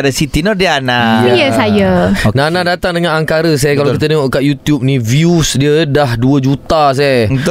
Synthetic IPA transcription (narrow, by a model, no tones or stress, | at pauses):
dasit̪inɔdianajəsajananadat̪aŋdəŋanaŋkaɾəs̬ajkalawkit̪əneŋɔʔkaʔjut̪jup̚nĩviusdiədaɦduəd͡ʒut̪as̬a